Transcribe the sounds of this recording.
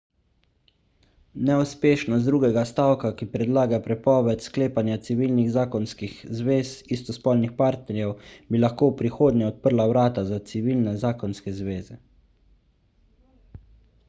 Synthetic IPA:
nɛuspeːʃnɔsd̪ɾuːɡɛɡast̪awkakipɾɛd̪laːɡapɾɛpɔːʋɛt̪skleːpanjat̪siʋiːlniɣzaːkɔnskixzʋeːsist̪ɔspɔːlnixpaɾt̪nɛɾjɛwbilaxkoːwpɾixoːd̪nɛɔt̪̚pəɾlawɾaːt̪azat̪siʋiːlnɛzaːkɔnskɛzʋeːzɛ

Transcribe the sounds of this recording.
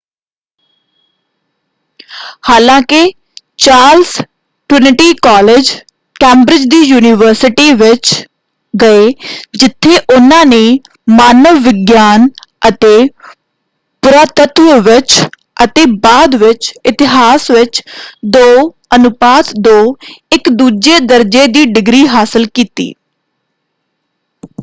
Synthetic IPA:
haːlãːkɪ | t͡ʃaːls | ʈɾɪnɪʈiːkɔːled͡ʒ | kɛ̃ːmbɾɪd͡ʒd̪iːjuːnɪʋəɾsɪʈiːʋɪt͡ʃ | ɡəeːd͡ʒɪt̪ʰːeːʔʊnãːneː | maːnəʋːɪɡjaːnət̪eː | pʊɾaːt̪ət̪ʋəʋɪt͡ʃ | ʔət̪eːbaːd̪ʋɪt͡ʃɪt̪ɪɦaːsʋɪt͡ʃd̪oː | ənʊpaːt̪d̪oːɪkd̪uːd͡ʒeːd̪əɾd͡ʒeːd̪iːɖɪɡɾiːɦaːsɪlkiːt̪ḭː

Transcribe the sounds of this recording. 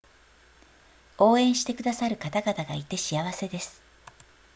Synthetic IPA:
o̞ːẽ̞ɰ̃ɕi̥t̪e̞kɯ̟d̪asaɾɯ̟kat̪aɡat̪aɡait̪e̞ɕijaβ̞ase̞d̪e̞sɨ̥

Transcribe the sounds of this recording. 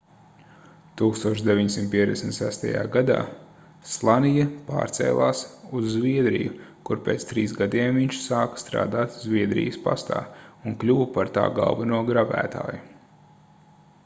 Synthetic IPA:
t̪uːkst̪uɔʃd̪evʲiɲsimt̪̚pʲiɛzd̪ʲesmʲt̪ʲsæst̪a̰ja̰ːɡad̪a̰ː | slˠanijɐpa̰ːɾt̪sɛ̰ːlˠaːsuzːviɛd̪ɾḭjukuɾpeːt̪st̪ɾiːsɡad̪iɛmviɲt͡ʃsaːkst̪ɾa̰ːd̪aːt̪zvʲiɛd̪ɾḭjəspa̰st̪a̰ːunklʲuwpaɾt̪a̰ːɡa̰lˠvɛnuɔɡɾabæ̰ːt̪a̰ːju

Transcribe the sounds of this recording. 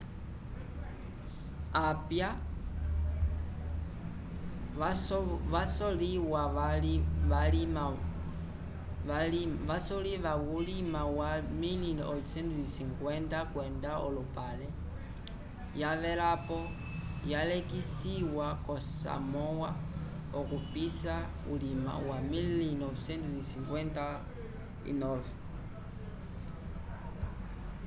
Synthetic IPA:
apja | asɔliwa | alima | vasɔliʋawulimawaminilɔsɛndisiŋkwɛndakwɛndaɔ̰lupalɛ | jaʋɛɾapɔ | jalɛkisiwakɔsa̰mɔwa | ɔkupisa | ṵlima̰wamillinɔvsɛntuisiŋkwɛnta | ḭnɔvɛ

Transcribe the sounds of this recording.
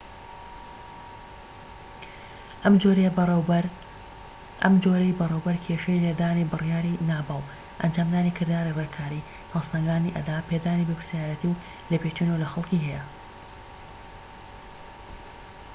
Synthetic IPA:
moɾ | ʔɐ̰md͡ʒoːɾɐjbɨrewbɐɾkʰeːʃejled̪aːnibɨrjaːɾinaːbɑl | ʔɐ̰nd͡ʒaːmd̪aːnikʰɨɾd̪aːɾirekʰaːɾi | hɐlsand̪aːniʔɐ̰d̪aːpʰed̪aːnibɐpɾsjaːɾɐt̪iw | lɐpet͡ʃunəwlɐxɐlˠkiɦɛjɐ

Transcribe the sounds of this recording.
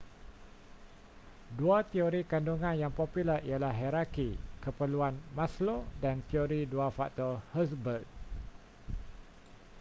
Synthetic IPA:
duat̪ioɾikanduŋãnjaŋpopiləɾialaɦɛɾakikəpəluanmãslodant̪ioɾiduafaʔt̪ɔrhəs̬bərɡ̚

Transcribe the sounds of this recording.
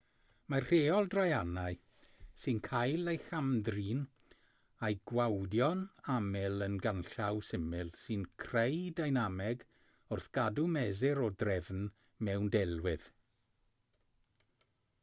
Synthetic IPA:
mar̥eːɔlˠdrajanaɨ | sɨnkʰajlˠejxamdriːn | ajɡ̥wawdjɔnamɪlˠənɡanɬawsɪmɪlˠsɨnkʰrejdajnamɛɡ | ʊrθɡ̥adumɛzɛɾɔdrɛvn | mɛwndɛlˠwɪð̥

